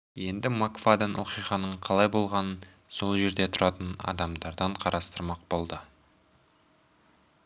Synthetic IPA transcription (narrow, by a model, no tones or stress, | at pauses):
je̞nd̪ɪmakv̥ad̪ɑnwʔo̞qijʁɑnəɴqʰɑlˠɑjbo̞lˠʁɑnən | so̞lˠʒe̞ɾd̪e̞t̪ʰʊɾʔɑt̪ənɑ̰d̪ɑmd̪ɑɾd̪ɑɴqʰɑɾʔɑst̪əɾmɑq̚bo̞lˠd̪ə